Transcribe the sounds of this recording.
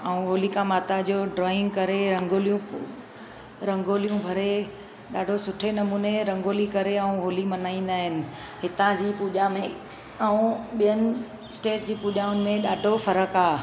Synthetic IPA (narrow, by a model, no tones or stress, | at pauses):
aũɦoːlikãmaːt̪ad͡ʑoːɖɾɔːɪ̃ŋɡkɐɾeɾɐ̃ŋɡʱoːlijũ | ɾɐ̃ŋɡʱoːlijũbʱɐɾe | ɗaːɖʱosʊʈʰenɐmuːneɾɐ̃ŋɡʱoːlikɐɾeɐũɦoːlimɐnaːĩːn̆d̪aːɦɪnɪ̆ | ɦɪt̪ãd͡ʑiːpuːʄamẽ | əũɓijənɪ̆ | sʈeːʈd͡ʑiːpuːʄaʊnɪ̆mẽɗaːɖʱofɐɾəkaː